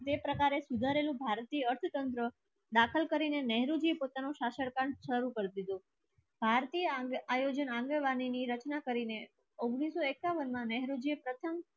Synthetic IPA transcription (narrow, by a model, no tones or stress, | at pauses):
t̪epɾəkaɾesud̪ʱaɾelũbʱaɾt̪ijəəɾt̪ʰət̪ənt̪ɾə | d̪akʰəlkəɾinenɛɦɾod͡ʒiepot̪anoʃaʃəɽkaɳʃəɾukəɾd̪id̪o | bʱaɾt̪ijəajod͡ʒənãŋɡəʋaniniɾət͡ʃnakəɾine | oɡɽ̃isoekaʋənmãnɛɦɾod͡ʒiepɾət̪ʰəm